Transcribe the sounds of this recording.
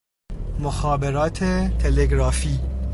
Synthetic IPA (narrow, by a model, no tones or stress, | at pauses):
moxɑːbeɾɒːt̪ʰet̪ʰeleɡɾɒːfiː